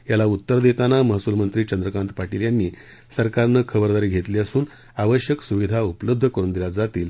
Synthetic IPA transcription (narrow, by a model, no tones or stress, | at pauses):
jalaut̪ːəɾd̪et̪anaməɦsulmənt̪ɾiːt͡ɕənd̪ɾəkãnt̪paʈiljanːiː | səɾkaɾnəkʰəbəɾd̪aɾiːɡʱet̪liːəsuːn | aʋəɕjəksuʋid̪ʱaupləb̚d̪ʱːəkəɾuːnd̪ilad͡zat̪iːl